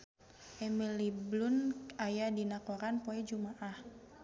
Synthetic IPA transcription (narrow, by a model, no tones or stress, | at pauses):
ʔɛmiliblʊnajadinakoɾanpoɛd͡ʒumaʔah